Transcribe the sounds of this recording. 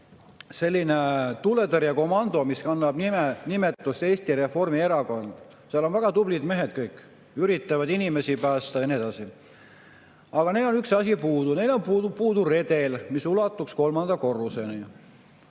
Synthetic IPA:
se̞lʲːine̞t̪ule̞t̪eɾjɑko̞mɑnd̪o̞miskɑnːɑb̥nienime̞t̪ːˑust̪e̞ːst̪iɾe̞fo̞rmie̞ɾɑko̞nd̪̥ | seɑlo̞nvæɡ̥ɑt̪ublid̪me̞ɦed̪̥̚kɤjkːˑ | yɾit̪ːˑɑvɑd̪inime̞sipæːst̪ɑjɑnie̞d̪̥ɑsi | ɑɡ̥ɑne̞jlo̞nyksɑsʲipuːd̪̥une̞jlo̞npud̪upuːd̪̥ure̞d̪̥e̞lmisulɑt̪ːˑuksko̞lmɑnd̪̥ɑko̞rːuse̞ni

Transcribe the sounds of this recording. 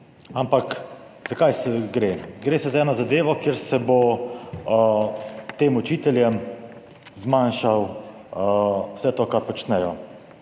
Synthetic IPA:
ampak | z̥akajsɛɡɾeːɡɾeːsɛzaɛːnɔzad̪eːʋɔkeːɾsɛbo | t̪eːmut͡ʃiːt̪ɛljɛm | zmanʃaw | wsɛt̪oːkaɾpɔt͡ʃnɛjɔ

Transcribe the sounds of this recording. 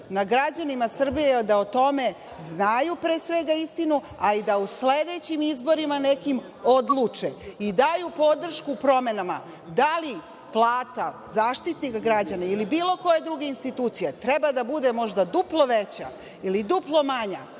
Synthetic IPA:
naɡɾad͡ʑanimasr̩bijed̪aot̪o̞me̞ | znajupɾeːsʋe̞ɡaist̪inu | aid̪ausled̪e̞t͡ɕimizbo̞ɾimanekim | o̞d̪lˠuːt͡ʂeid̪ajupo̞d̪r̩ʃkupɾo̞me̞nama̰ | d̪ali | plˠaːt̪azaːʃt̪it̪nikɡɾad͡ʑanailibiːlˠo̞ko̞je̞d̪ɾuɡe̞inst̪it̪uːt̪sijet̪ɾebad̪abud̪e̞mo̞ʒd̪ad̪uplˠo̞ʋet͡ɕa̰ | ilid̪uplˠo̞maɲa̰

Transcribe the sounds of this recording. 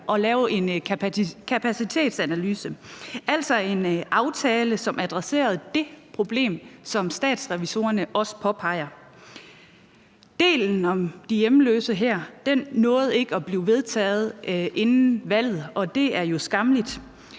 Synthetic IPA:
ʔɒ̽lɛːʊe̝n | kʰæpʰæsit͡sʰe̝̰ːd̥sænælyːsəæl̰sɒ̽e̝nʔɑ̈ʊt͡sʰɛːləsɒ̽mʔæd̥ʁase̝̰ːɐð̞̩ˠd̥e̝pʰʁo̝b̥le̝̰ːmsɒ̽msd̥ɛ̰ːd̥sʁɛʋiso̝̰ːɐnəʔɒ̽sə̥pʰɒ̽pʰɑ̈ɪ̰ɐ | d̥e̝̰ːln̩ɒ̽md̥ijem̩lø̰ːsəɦæɐ̰d̥ennɔ̽ːð̞̩ˠe̝ɡ̥əɒb̥liːʊʋe̝ð̞ˠt͡sʰɛ̰ːð̞̩ˠʔe̝nn̩ʋæl̰ð̩ˠɒ̽d̥e̝æɐjo̝sɡ̥ɑ̈mlid̥

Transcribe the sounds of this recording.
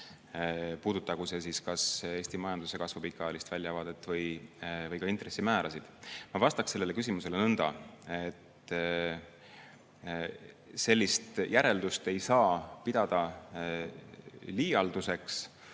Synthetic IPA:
puːd̪̥ut̪ːˑɑkuse̞s̬iskɑse̞ːsʲt̪imɑjɑnd̪̥use̞kɑsvopikˑːɑlist̪vælʲjɑvɑd̪et̪ːˑvɤjvɤjkɑint̪ɾe̞sːimæːɾɑsid̪̥mɑvɑst̪ɑkse̞lːele̞kys̬imuse̞lenɤnd̪ɑ̰e̞t̪ | se̞lʲːist̪jʔæɾe̞ld̪ust̪e̞jsɑːpid̪̥ɑd̪̥ɑ | liːɑld̪̥use̞ks

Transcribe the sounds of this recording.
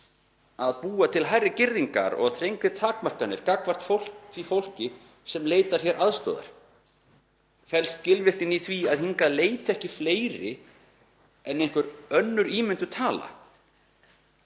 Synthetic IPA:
aðpuːat̪ʰɪlɦajrːɪcɪɾðiŋka̰ɾɔ̰ɣaðθɾejŋkɾɪt̪ʰaːkmar̥kanːɪɾkakvar̥t̪fowl̥kfifowl̥cɪ | sɛmleːjt̪aɾ̥çjɛɾʔaðst̪o̰ːða̰ɾ̥ | fɛlst̪cɪlvɪrt̪ɪniθviaðɦiŋkaleːjt̪ɪɛhcɪfleːjɾɪ | ɛnejŋ̥kvʏɾœnːʏɾiːmɪnt̪ʏt̪ʰaːla̰

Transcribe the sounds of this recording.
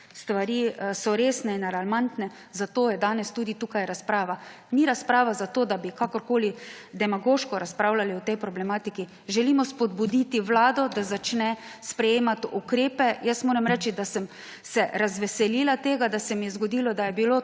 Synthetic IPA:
st̪ʋaɾiːsɔɾeːsnɛinalalmant̪nɛ | zat̪oːjɛd̪aːnɛst̪uːd̪it̪uːkajɾaspɾaːʋa | miɾaspɾaːʋazat̪oːd̪abikakɔɾkoːlid̪ɛmaɡoːʃkɔɾaspɾawlaliɔt̪ɛjpɾɔblɛmaːt̪iki | ʒɛliːmɔspɔd̪̚bud̪iːt̪iʋlaːd̪ɔd̪azat͡ʃnɛspɾɛjeːmat̪ukɾeːpɛjəsmoːɾamɾɛːt͡ʃid̪asɛm | sɛɾazʋɛsɛliːlat̪eːɡad̪asɛmijɛzɡɔd̪ilɔd̪ajɛbilo

